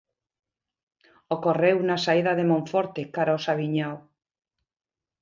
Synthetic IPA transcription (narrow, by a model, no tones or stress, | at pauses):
okorewnasaiðaðemõɱfoɾt̪ekaɾaosaβ̞iɲaw